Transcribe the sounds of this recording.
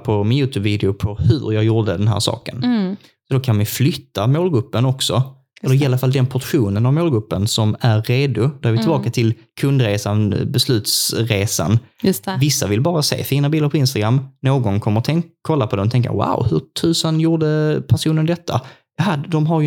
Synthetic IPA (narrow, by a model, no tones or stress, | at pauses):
pʰɔmɪnjʉ̟ːt̪ʰʉːbviːd̪ɪʊpʰɔhɵ̰ɾjɑːɡjuːɖəd̪ɛnɦæ̰ːɾʂɑ̰ːkən | sɔd̪ɔkʰanmajflʏt̪ːamoːlɡɵpːənɔksɔ | ɛlːəɾɪalːafald̪ɛnpʰɔʈɧuːnənavmoːlɡɵpːənsɔmæɾeːd̪ʊd̪ɔæɾvɪt̪ɪlbɑːkat̪ʰɪl | kʰɵnd̪ɾeːsanbɛslʉ̟ːt̪sɾeːsa̰nj̪vɪsːavɪlbɑːɾasḛːfiːnabiːlːaɾpʰɔɪnst̪aɡɾamːnoːɡɔnkʰɔmːəɾɔt̪ʰɛŋkʰːɔlːapʰɔd̪ɛmɔt̪ʰɛŋka̰wa̰ʊhɵɾtʰʉ̟ːsənjuːɖəpʰæʂuːnənd̪ɛt̪ʰːa̰ | jɑɦad̪d̪ɔmɦaɾj